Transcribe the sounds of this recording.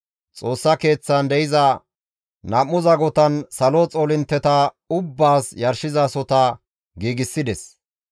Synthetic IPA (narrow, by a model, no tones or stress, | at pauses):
t͡sʼo̞ːsːɐke̞ːt͡sːɐnd̪ɛjɪzɐ | nɐmːʊzɐɡɔt̪ɐnsɐlot͡sʼoːlɪnt̪ːɛt̪ɐ | ʊbːaːsjɐɾʃɪzɐsɔt̪ɐ | ɡiːɡɪsːɪd̪ɛs